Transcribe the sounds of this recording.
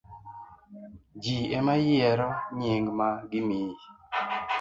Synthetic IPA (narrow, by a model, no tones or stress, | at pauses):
d͡ʒiemajɛɾɔɲeŋɡmaɡɪmi